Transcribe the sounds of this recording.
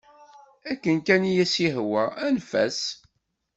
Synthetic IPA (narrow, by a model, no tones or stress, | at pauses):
ækːənkænijæsiɦwæænfæ̰s